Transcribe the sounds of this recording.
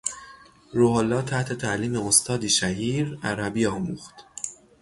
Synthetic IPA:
ɾoholːɒːt̪ʰæht̪ʰe̞t̪ʰæʔliːme̞ost̪ʰɒːd̪iːʃæhiːɾæɾæbiːɒːmṵːxt̪

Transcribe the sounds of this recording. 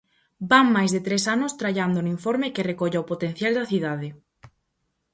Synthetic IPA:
baŋmajzðet̪ɾesanʊst̪ɾaʎand̪ʊnʊiɱfɔɾmekerekoʎaopot̪en̟θjald̪ɐθiðaðɪ

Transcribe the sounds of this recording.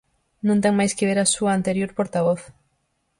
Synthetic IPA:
nõnt̪eŋmajskeβeɾasuaant̪eɾjoɾpoɾt̪aβ̞oθ

